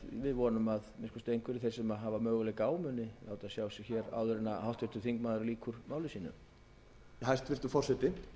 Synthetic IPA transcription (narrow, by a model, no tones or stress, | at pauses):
vɪðvɔːnʏmaðmɪnskɔst̪ejŋkvʏɾɪθejɾ̥sɛmaɦavamœːɣʏlɛkaːwmʏnɪaːwt̪aðsjaːwsɪɣçɛɾa̰wðʏɾɛnːahawht̪vɪ̥t̪ʏθiŋkmaːðʏɾliːkʰʏɾmaːwlɪsiːnʏ̰m | hajst̪fɪɾ̥t̪ʏfɔr̥sɛt̪ɪ